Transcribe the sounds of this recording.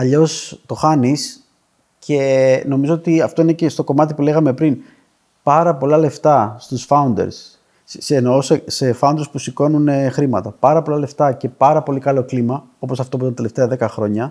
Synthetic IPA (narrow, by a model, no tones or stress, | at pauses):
ɐʎo̞st̪o̞xɐnis | cʰe̞no̞mizoot̪iɐft̪o̞ine̞ce̞st̪o̞ko̞mɐt̪ipule̞ɣɐme̞pɾin | pɐɾɐpo̞lɐle̞ft̪ɐst̪usfɐund̪ḛɾs | senoosese̞fɐund̪ɾespusiko̞nunexɾimɐt̪ɐpɐɾɐpo̞lɐle̞ft̪ɐce̞pɐɾɐpo̞likɐlo̞klimɐ | o̞po̞sɐft̪o̞put̪ɐt̪e̞le̞ft̪eɐðe̞kɐxɾo̞ɲɐ